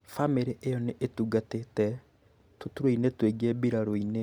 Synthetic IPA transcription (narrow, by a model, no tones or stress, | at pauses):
fameɾeʔejɔneʔetuːɡatetɛ | totuɾoinetweɡɛbiɾaɾoine